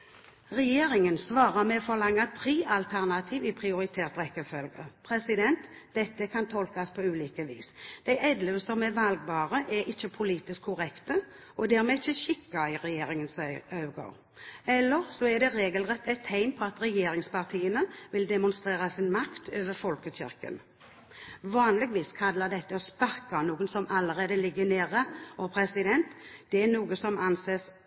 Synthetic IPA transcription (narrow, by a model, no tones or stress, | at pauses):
ʁɛjeːɾɪŋənsʋɑːʁəmɛɔfɔʁlɑŋːɑt̪ʰɾeːʔɑlt̪ʰæʁnɑt̪ʰiːʋɪpʰɾɪʊɾɪt̪ʰeːʁt̪ʁɛkːəfœlɡəpʰɾɛsɪd̪ɛnt̪ | d̪̥ɛt̪ːəkʰɑnt̪ʰɔlkɑspʰɔʉːliːkəʋḭːsd̪̥æɪʔɛd̪lʉsɔmɛʋɑlɡ̚bɑːʁəʔɛɾʔɪçːəpʰʊliːt̪ɪskʰːʊʁɛkt̪ə | ɔd̪æːɾmɛɪçːəʃɪkːɑɪʁɛjeːɾɪŋənsɑʉɡo̰ː | ɛlːəʁsɔɛd̪ɛʁeːɡəlʁɛt̪ːæɪt̪hæɪmpʰɔɑt̪ɾɛjeːɾɪŋspʰɑʁt̪ʰiːənəʋɪld̪ɛmʊnst̪ʁeːʁɑsɪnmɑkt̪ʰøːʋəɾfɔlkəçɪ̰ɾkə̰n | ʋɑːnlɪɡʋiːskʰɑlːəd̪ɛt̪ːəɔspɑɾkɑnuːɡənsɔmɑlːəɾeːd̪əlɪɡːəneːʁəɔpʰɾɛsɪd̪ɛnt̪d̪̥ɛænuːɡəsɔmɑnseːs